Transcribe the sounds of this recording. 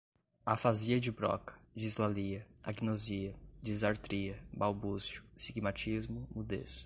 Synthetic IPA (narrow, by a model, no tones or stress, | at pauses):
afaziɐd͡ʒɪbɾɔ̰kɐ̥d͡ʒizlaliɐa̰ɡinoziɐd͡ʒizaɾt̪ɾiɐbawbuzjʊsiɡmat͡ʃizmʊmud̪ḛs